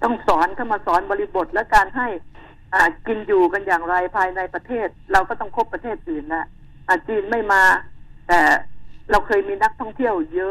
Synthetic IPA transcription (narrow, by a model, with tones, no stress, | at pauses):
t̪ɔ˥˩ŋsɔː˩˦nkʰa˧˩mːaː˧sɔː˩˦nbɔː˧li˧bo˨˩t̪̚lɛ˦˥kaː˧nɦa˥˩j | ʔaː˨˩ki˧njuː˨˩ka˧njaː˨˩ŋɾa˧jpʰaː˧jna˧jpɾa˧t̪ʰeː˥˩t̪̚ɾa˧wkɔː˥˩t̪ɔ˥˩ŋkʰo˦˥pːɾa˧t̪ʰeː˥˩t̪̚ʔɯː˨˩nla˧˩ | ʔaː˨˩t͡ɕiː˧nma˥˩jmaː˧t̪ɛː˨˩ɾa˧wkʰɤː˧jmiː˧na˦˥k̚t̪ʰɔ˥˩ŋt̪ʰi˥˩əwjɤ˦˥